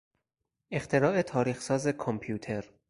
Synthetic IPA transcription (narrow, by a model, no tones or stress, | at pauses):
ʔe̞xt̪ʰe̞ɾɒːe̞t̪ʰɒːɾiːxsɒːze̞kʰompʰjuːt̪ʰe̞ɾ